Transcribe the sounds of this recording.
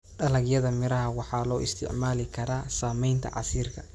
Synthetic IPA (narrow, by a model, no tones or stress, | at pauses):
ɖɐlɐɡjɐðɐmɪɾɐɦɐwɑħɑːlɔːʔɪst̪ʰɪ̰ʕmaːlɪkʰɐɾaːsaːmɛjnt̪ʰɐ̰ʕɑ̰siːrkʰɐ